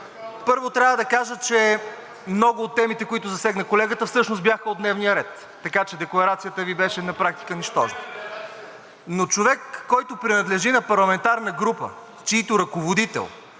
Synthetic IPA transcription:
pɤɾvot̪ɾʲjavəd̪ɐkaʒət͡ʃɛ | mnɔɡʊːt̪ːɛmit̪ɛkoit̪ʊzɐsɛɡnəkolɛɡət̪əfsɤʃnosbjaxəod̪nɛvnijəɾɛt̪ːɐkat͡ʃɛd̪ɛklˠɐɾat̪sijət̪əvibɛʃɛnɐpɾak̚t̪i̥kəniʃt̪ɔʒnə | not͡ʃovɛkːɔjt̪ʊpɾɛnɐd̪lɛʒinɐpɐɾlˠɐmɛnt̪aɾnəɡɾupə̰ | t͡ʃiːt̪ʊɾɐkovod̪it̪ɛ̰lˠ

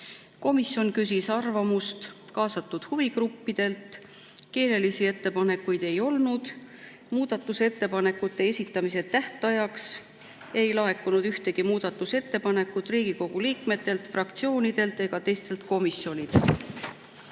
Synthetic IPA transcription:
ko̞misjo̞nkys̬isɑrvɑmust̪ | kɑːsɑt̪ːˑud̪̥huvikrupːid̪̥e̞lt̪ | ke̞ːle̞lisie̞t̪ːe̞pɑne̞kːujd̪̥e̞jo̞lnud̪̥ | muːd̪̥ɑt̪ːˑuse̞t̪ːe̞pɑne̞kːut̪ːˑe̞e̞sʲit̪ːˑɑmise̞t̪ːæht̪ˑɑjɑks | e̞jlɑɦe̞kːunud̪̥yht̪e̞ɡ̥imuːd̪̥ɑt̪ːˑuse̞t̪ːe̞pɑne̞kːˑut̪riːɡ̥iko̞ɡ̥uliːkme̞t̪ːˑe̞lt̪frɑkt̪sio̞ːnid̪̥e̞lt̪e̞ɡ̥ɑt̪e̞jst̪e̞lt̪ko̞misjo̞nid̪

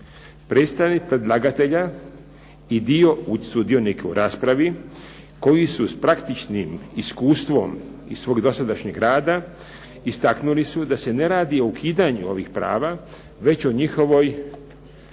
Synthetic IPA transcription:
pɾeːt̪st̪anik̚pɾed̪lˠaɡat̪e̞ʎa | id̪io̞usud̪io̞nikeṵɾʔaːspɾaʋi | ko̞jisuspɾakt̪it͡ʃnimiskuːst̪ʋo̞̰m | isʋo̞ːɡd̪o̞sad̪aʃɲe̞ɡɾaːd̪a | ist̪aknulisud̪ase̞ne̞ɾaːd̪io̞ukʰiːd̪aɲṵo̞ʋḭxpɾa̰ːʋa | ʋe̞t͡ɕoɲixo̞ʋo̞j

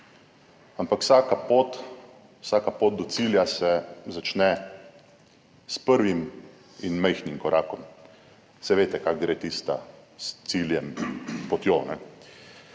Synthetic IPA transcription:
ampakwsakapoːt̪ | wsakapoːt̪̚d̪ɔsiːljasɛzat͡ʃnɛ | spəɾʋim | inmɛjxnimkɔɾʔaːkɔm | sɛʋeːt̪ɛkakɡɾeːt̪iːst̪a̰st̪siljɛmpɔt̪jonɛ

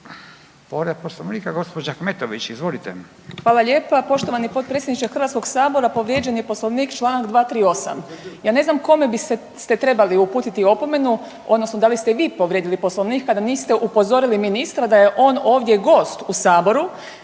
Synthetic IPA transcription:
poɾed̪posloʋniːkaɡospod͡ʒakmet̪oʋit͡ʃizʋolit̪e | xʋaːlˠaʎeːpapo̞ʃt̪oʋanipo̞t̪̚pɾet̪sʲjed̪nit͡ʃexɾr̩ʋat̪sko̞ɡsaːbo̞ɾapo̞ʋɾjed͡ʒenjepo̞sloʋniːkt͡ʃlˠaːnaɡd̪ʋaːt̪ɾiːo̞sa̰mjaːne̞znamko̞me̞bise | st̪e̞t̪ɾe̞baliupuːt̪it̪io̞po̞me̞nu | o̞d̪nosnod̪alist̪eʋiːpoʋɾjed̪ilipo̞slˠoʋniːkkːad̪aniːst̪eʔupo̞zo̞ɾiliminist̪ɾad̪ajeʔo̞ːnoːʋd̪ʲje̞ɡo̞ːst̪usaːbo̞ɾu

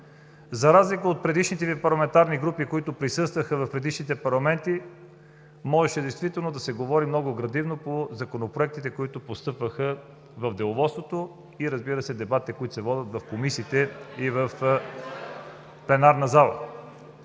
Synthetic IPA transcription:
zɐɾazlikəot̪̚pɾɛd̪iʃnit̪ɛvipɐɾlˠɐmɛnt̪aɾniɡɾupikoit̪ʊpɾisɤst̪vəxəvɐfpɾɛd̪iʃnit̪ɛpɐɾlˠɐmɛnt̪i | mɔʒɛʃɛd̪ɛjst̪vit̪ɛlˠnod̪ɐsɛɡovɔɾimnɔɡʊɡɾɐd̪ivnopozɐkonopɾoɛk̚t̪it̪ɛkoit̪ʊpost̪ɤpvəxə | vɐvd̪ɛlˠovɔt̪st̪vot̪o | iɾɐzbiɾəsɛd̪ɛbat̪ɛkoit̪o̥sɛvɔd̪ət̪vɐfkomisiːt̪ɛivɐf | plɛnaɾnəzalˠə̰

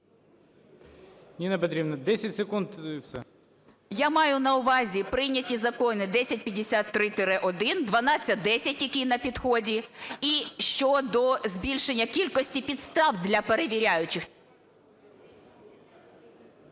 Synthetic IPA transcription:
nʲinɛpɐt̪ɾʲibnɐd̪ɛsʲɐtʲsekunt̪fsɛ̰ | jamɑjʊnɐʊʋɑzʲipɾɪnʲɐtʲizɐkɔnɪd̪ɛsʲɐt̚ʲpʲjɐd̪ʲesʲat̪ːɾɪt̪eɾɛʔɔd̪ɪnd̪ʋɐnɑt͡sʲːɐd̪ɛsʲɐtʲjɐkʲinɐpʲid̪xɔdʲiiʃt͡ʃɔd̪ɔzʲbʲilʲʃenʲːɐkʲilʲkɔsʲtʲipʲid̪st̪ɑwd̪lʲɐpeɾe̞ʋʲiɾʲajʊt͡ʃɪx

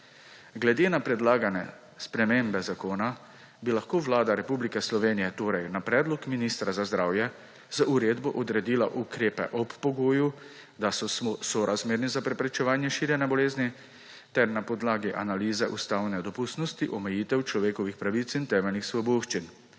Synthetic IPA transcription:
ɡlɛd̪eːnapɾɛd̪laːɡanɛ̰ | spɾɛmeːmbɛzakoːna | bilaxkoːʋlaːd̪aɾɛpublikɛslɔʋeːnijɛt̪oːɾɛjnapɾɛːd̪lɔkminiːst̪ɾazazd̪ɾaːwjɛ | zauɾeːd̪bɔʔɔd̪ɾɛd̪iːla̰ʔukɾeːpɛ̰ʔɔpːɔɡoːju | d̪asɔsɔɾʔazmeːɾnizapɾɛpɾɛt͡ʃɛʋaːnjɛʃiːɾjɛnɛbɔleːzni | t̪ɛɾnapɔd̪laːɡiʔanaliːzɛʔust̪aːwnɛd̪ɔpust̪nɔst̪iʔɔmɛjiːt̪ɛwt͡ʃlɔʋeːkɔʋixpɾaʋit̪sint̪ɛːmɛlnixsʋɔboʃt͡ʃin

